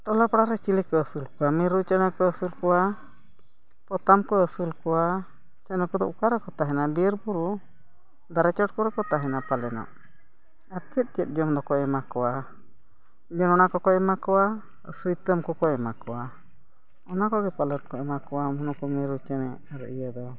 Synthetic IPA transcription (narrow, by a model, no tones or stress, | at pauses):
ʈɔlapɽaɾɛt͡ʃilɛkəːsɨlkɔamiɾut͡ʃanakɔəsɨlkɔwa | pɔt̪amkɔəsɨlkɔwa | sɛnɔkud̪ɔʔukaɾɛkɔt̪aɦɛnabiəɾbuɾu | d̪aɾat͡ʃɔʈ̚kɔɾɛkɔt̪aɦɛnapalɛnɔ̰ʔ | aɾt̪ət̪̚ˀt͡ʃət̪̚d͡ʒɔmd̪ɔkɔɛmakɔwa | d͡ʒɔnɔnakɔkɔɛmakɔwa̰ | sɨjt̪əmkɔkɔɛmakɔwa | ɔnakɔɡɛpalət̪̚kɔɛmakɔwamɔnɔkɔmiɾut͡ʃənɛ | aɾəʔijad̪ɔ